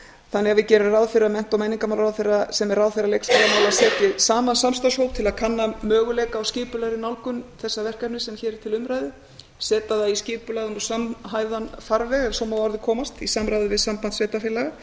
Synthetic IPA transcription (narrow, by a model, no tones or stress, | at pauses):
θanːɛɣavɪcɛːɾʏraðfɪɾamɛn̥t̪awmɛjniŋkamawlɾaðfɪɾasɛmɛɾrːaðfɪɾalejksfaɾamaːwlaðsɛːt̪ɪsaːmansamst̪ashowp̚t̪ʰɪlaðkʰanːamœːɣʏlɛːkaːwscɪːpʏlaɾɪnawlkʏnθɛsːavɛr̥kat̪nʏsɛmçɛːɾɪ̥t̪ʰɪlʏmɾajðɪ | sɛːt̪aðaiscɪːpʏlaðʏnɔsamɦaːjðanfaɾvɛɣɛɾsɔmawaɾðɪkʰɔːmast̪isamɾajðɪvɪðsampant̪svɛːt̪afɪːlaɣa